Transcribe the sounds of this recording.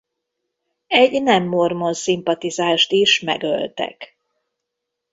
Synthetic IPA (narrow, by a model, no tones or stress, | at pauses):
ɛɟnɛmːormo̞nsimpɒt̪izaːʃt̪iʃmɛ̰ɡø̰lt̪ɛ̰k